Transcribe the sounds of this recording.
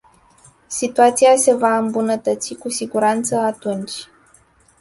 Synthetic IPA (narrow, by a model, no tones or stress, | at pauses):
sit̪uat̪siase̞vaɨmbunət̪ət̪sikusiɡuɾant̪səat̪unt͡ʃʲ